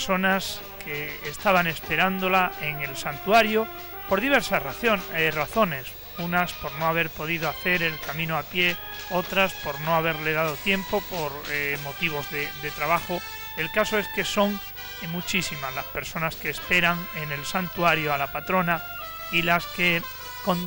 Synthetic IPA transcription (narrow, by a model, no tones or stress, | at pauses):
sonas | kʰeːst̪aβane̞spe̞ɾand̪o̞laeŋe̞lsant̪uaɾjo | po̞ɾðiβ̞e̞ɾsaoeraθo̞ne̞s | unaspo̞ɾnoaβ̞e̞ɾpo̞ð̞iðoaθe̞ɾelkamĩnoapje̞ | o̞t̪ɾaspo̞ɾno̞aβ̞e̞ɾle̞ð̞að̞o̞t̪jẽ̞mpo̞poɾmo̞t̪iβ̞o̞zðed̪e̞t̪ɾaβaxo | e̞lkaso̞e̞ske̞so̞ŋ | mut͡ʃisimazlaspe̞ɾso̞naske̞ːspe̞ɾaŋe̞ne̞lsant̪uaɾjoalapat̪ɾo̞na | ilaske | kon